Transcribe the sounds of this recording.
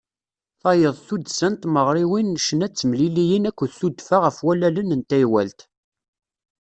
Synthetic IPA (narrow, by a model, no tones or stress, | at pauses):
θɑjəðˤθud̪sənt̪məʁɾˤiwinʃənæt͡sːəmlilijinækʷːəðθud̪faʁəfwælælənənt̪æjwæ̰lt̪